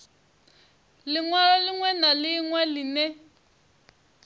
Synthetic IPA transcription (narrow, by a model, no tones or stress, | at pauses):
lɪŋwaɺɔlɪŋwɛnalɪŋwɛlɪnɛ